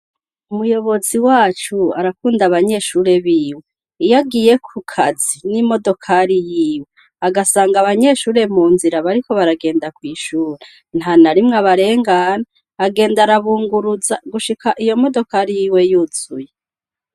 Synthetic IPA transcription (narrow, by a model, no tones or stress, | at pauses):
umujo̞βo̞ziwaːt͡ʃua̰ɾakuːndaβaɲe̞ʃuːɾe̞βiːwe | ijaɡiːje̞kʰukʰaz̥inimo̞do̞kʰaɾijiːwe̞ | aɡasaːŋɡaβaɲe̞ːʃuːɾe̞muːnziɾaβaɾiko̞βaɾaɡe̞ːndakwiːʃuːɾe | n̥hanaɾimŋaβaɾe̞ːŋɡanaː | ɡe̞ːndaɾaβuːŋɡuɾuzaɡuʃikʰaʔijo̞mo̞do̞kaɾijiːwe̞juːz̥uje̞